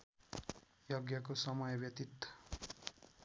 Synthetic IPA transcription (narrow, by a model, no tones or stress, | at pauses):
joɡjʌkosʌmʌjbjʌt̪it̪ːʌ̥